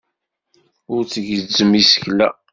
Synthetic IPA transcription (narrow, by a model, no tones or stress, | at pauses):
ʊɾt͡sːəʝəd͡zːəmisə̥çlæ̰